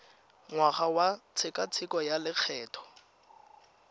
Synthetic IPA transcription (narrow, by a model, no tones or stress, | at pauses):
ŋwaχawat͡sʰɪkʼat͡sʰɪkʼɔjalɪk͡xʰɛːtʰɔ̥